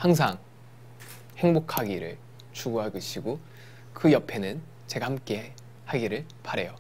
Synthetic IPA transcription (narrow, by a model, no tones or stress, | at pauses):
haŋs̬ʰaŋ | he̞ŋbokʰaɡiɾɯ̰ɭ | t͡ɕuɡoɦaɡɯɕʰiɡo | kɯjʌpʰe̞nɯn | t͡ɕe̞ɡahamk͈e̞ | haɡiɾɯɭ | paɾe̞jo